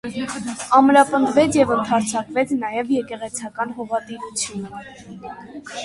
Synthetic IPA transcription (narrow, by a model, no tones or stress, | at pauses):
ɑmɾɑpənd̪vɛt͡sʰjɛvənt̪ʰɑɾt͡sʰɑkvɛt͡sʰnɑjɛvjɛkɛʁɛt͡sʰɑkɑnɦɔvɑt̪iɾut͡sʰjunə